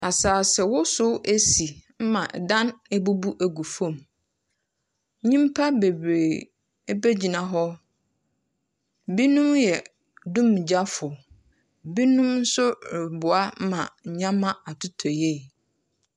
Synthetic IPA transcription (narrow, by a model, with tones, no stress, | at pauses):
a˨saː˨sɛ˨wʊ˦sʊ˦ʔe˦si˨m̩˦mã˨dã˦nɛ˦bu˦bu˦ʔæ˨ɡu˨fõ˦˨m˦ | ɲĩ˦m˦pʰa˦be˨bɾeː˨˦ | be˦d͡ʑi˨nã˨ɦɔ˦ | bi˦nũ˦mjɛ˨ | dũ˦m˨d͡ʑa˦fʊ˨ | bi˦nũ˦mn̩˦sʊ˦ɾɪ˨bʊ˨a˦m˦mã˨ɲã˦mã˦a˨tʰʊ˦tʰɔ˨je˦˨